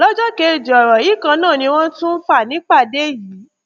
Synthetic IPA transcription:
lɔ˦d͡ʒɔ˦ke˧˨d͡ʒi˨ɔ˨ɾɔ˨ji˨˦kã˧nãː˦˨nĩ˧w̃ɔ̃˦n̩˦tũ˦fa˦˨nĩ˨˦k͡pa˦˨de˦ji˨˦˨

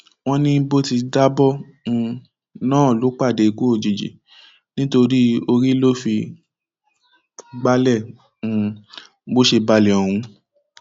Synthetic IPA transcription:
w̃ɔ̃˦nĩ˦bo˦ti˧da˦bɔ˦ | ũ˧ | nãː˦˨lo˨˦k͡pa˦˨de˨˧˨ko˦o˨d͡ʒi˨d͡ʒḭ˨ | nĩ˦to˧ɾi˦o˧ɾi˦lo˦fi˧ | ɡ͡ba˦lɛ̃˦˨˧ | bo˦ʃe˧ba˧lɛ˨ɔ˨wũ˨˧˦

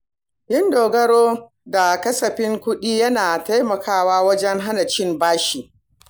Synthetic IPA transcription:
jɪ˦ndoː˨ɡɐ˦ɽoː˦ | da˨kɐ˦sɐ˨ɸɪ˦ŋkʷʊ˦ɗiː˦jɐ˦naː˨ta˦jmɐ˨kaː˦waː˦wɐ˦d͡ʒɛ˦ŋɦa˦nɐ˨t͡ʃɪ˦˨mbaː˦ʃiː˨

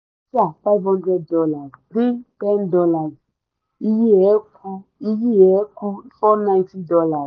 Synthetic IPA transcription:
si˦a˨fa˦jvhɔ̃˦ndɾɛ˦d̚dɔ˦la˨zti˦tɛ̃˦ndɔ˦la˨z | i˦ji˦ɛ˨˦ku˦i˦ji˦ɛ˨˦ku˦fɔ˦nã˦j̃nti˦dɔ˧la˨

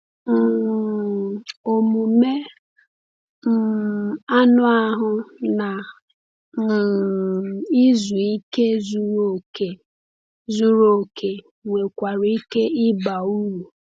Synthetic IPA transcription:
m̩˨ | o˨mu˨me˦ | m̩˨a˦nʊ˦a˦ɦʊ˦na˨ | i˦zu˨i˦ke˦zu˦ɾo˦˨ke˨ | zu˦ɾo˦˨kʰe˨ | ŋʷe˨kʷa˨ɾi˦ke˦ɪ˦ba˨u˦wu˨

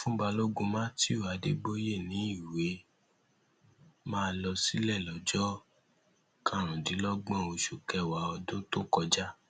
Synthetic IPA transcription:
fũ˦ba˧lo˦ɡũ˧mã˦ti˦o˦˨a˨de˧ɡ͡bo˦je˦˨nĩ˨˦i˦˨we˨˦ | mãː˦˧lɔ˧si˦lɛ˦˨lɔ˨d͡ʒɔ˦ | kã˦˨ɾ̃ũ˨dĩ˨˦lɔ˦ɡ͡bɔ̃˦˨o˧ʃu˨kɛ˦˨wa˨˦ɔ˧dõ˦to˦kɔ˧d͡ʒa˦

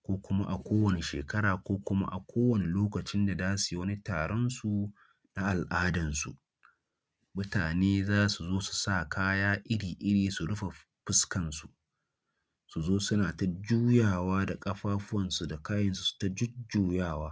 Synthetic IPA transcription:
kʷoː˦kʷʊ˦ma˦ʔa˨kʷoː˦wɐ˨ne˨ʃḛː˨kɐ˦ɽaː˨kʷoː˦kʷʊ˦ma̰˦ʔa˨kʷoː˦wɐ˨ne˨loː˦kɐ˨t͡ʃɪ˦nda˨daː˦su˨ji˦wɐ˦ni˦ta̰ː˨ɽɔ˦nsu˨ | na˦ʔa˨lʔaː˦dɐ˨nsṵ˨ʔ | mʊ˦taː˨neː˦zaː˦su˨zoː˦su̥˨sa˦˨kʰaː˦jaː˦ʔɪ˦ɽiː˨ʔɪ˦ɽiː˨su˨ɽʊ˦ɸa˨ | ɸɪ˦skɐ˨nsu˨ | su˨zoː˦sʊ˦naː˨ta˦d͡ʒuː˦jaː˨waː˦da˨kʼɐ˦ɸaː˦ɸʊ˦wɐ˨nsu˨da˨kaː˦jɐ˨nsu̥˨su̥˨ta˦d͡ʒʊ˦d͡ʒuː˦jaː˦˨waː˦

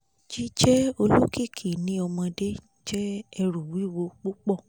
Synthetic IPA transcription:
d͡ʒi˦d͡ʒɛ˦o˧lo˦ki˦˨kʰi˨nĩ˨˦ɔ˧mã˧de˦ | d͡ʒɛ˦ɛ˧ɾu˨wi˨˦wo˧k͡po˦k͡pɔ˦˨

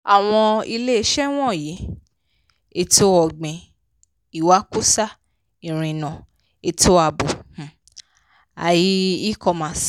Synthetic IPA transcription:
a˨w̃ɔ̃˧i˧le˦e˧˦ʃɛ˦w̃ɔ̃˦˨ji˨˦ | e˧to˦ɔ˨ɡ͡bẽ˨ | i˨wa˨˦ku˦sa˦ | ĩ˨ɾ̃ĩ˧˨nɔ̃˨ | e˧to˦a˧˨bo˨h̩˨ | a̰˨ji˦i˦kɔ˧mã˨˦

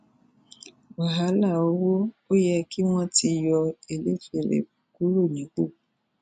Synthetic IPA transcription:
wa˨ɦa˨˦la˦˨o˨˦wo˦o˦jɛ˧ki˦w̃ɔ̃˦ti˧jɔ˧e˨lḛ˦te˨lḛ˨ku˦ɾo˦˨nĩ˨˦k͡po˦˨

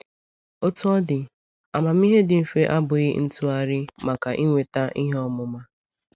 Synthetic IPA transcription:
o˦tu˦ɔ˦dɪ˨ | a˨ma˨mi˦ɦe˦dɪ˨m̩˨fe˦ʔa˦bʊ˨ɣɪ˦n̩˦tu˦a˦ɾɪ˦ma˨ka˨ʔi˦ŋʷe˨ta˦ʔi˦ɦɔ˦mʊ˦ma˦

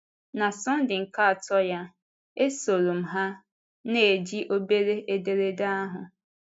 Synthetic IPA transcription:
na˨sɔ˦n̩˦dɪ˨ŋ̩˨ka˦a˨tɔ˦ja˦ | e˦so˨ɾu˨m̩˨ɦa˦ | ne˨d͡ʒi˦ʔo˦be˦ɾe˦ʔe˦de˦ɾe˦da˦ɦʊ˨

